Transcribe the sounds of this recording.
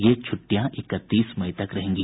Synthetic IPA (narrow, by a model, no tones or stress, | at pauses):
jet͡ʃʰʊʈːijãʔɪkət̪ːiːsmɐɪt̪ɐkɾɐɦẽːŋɡiː